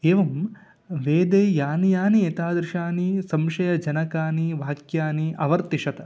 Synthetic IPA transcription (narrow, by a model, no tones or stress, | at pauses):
eːʋɐm | ʋeːd̪eːjaːnijaːnieːt̪aːd̪ɾɪʃaːnisɐmʃɐjɐd͡ʒɐnɐkaːniʋaːkjaːniɐʋɐɾt̪iʂɐt̪ɐ